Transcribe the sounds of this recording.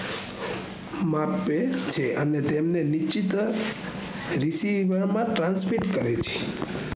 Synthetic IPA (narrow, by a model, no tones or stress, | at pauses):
mapet͡ʃʰeʔənet̪emnenit͡ʃit̪ | ɾisiʋəɾmãʈɾãnsmiʈkəɾet͡ʃʰe̥